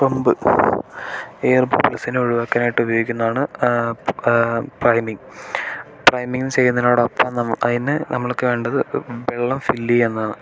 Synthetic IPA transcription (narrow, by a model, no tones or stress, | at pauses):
pombɨ | ejɐrbṵblɐsineoɻuʋaːkːɐnaːjiʈːɨubɐjoːikʲːunːɐðaːɳɨ | prɐjmiŋ | prɐjmiŋːɡinɨt͡ɕe̞jːunːɐinoːɽɐpːɐːnɐmːɐʔɐ̰ðinɨnɐmːɐɭokːɨʋe̞ːɳɖɐðɨbeɭːɐmfilːienːaːɳɨ